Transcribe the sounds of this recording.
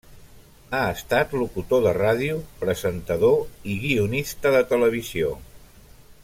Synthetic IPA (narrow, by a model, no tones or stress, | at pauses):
aəst̪at̪lukut̪oðəraðiupɾəzənt̪əðoiɣiunist̪əðət̪ələβ̞izio̰